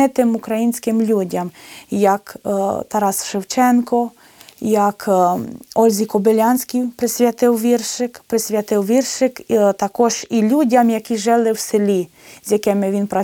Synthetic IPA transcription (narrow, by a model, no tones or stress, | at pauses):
ɪt̪ɪmʊkɾɐjinʲsʲkɪmlʲudʲɐmjɐkt̪ɐɾɑsʃɪwt͡ʃɛnkɔ | jak | ɔlʲzʲikɔbɪlʲɑnʲsʲkʲijpɾɪsʲʋʲjat̪ɪwʋʲirʃɪkpɾɪsʲʋʲjɐt̪ɪwʋʲirʃɪkt̪ɐkɔʒilʲudʲɐmjɐkʲiʒɪlˠɪwsɪlʲi | zʲjakɪmɪʋʲinpɾɐ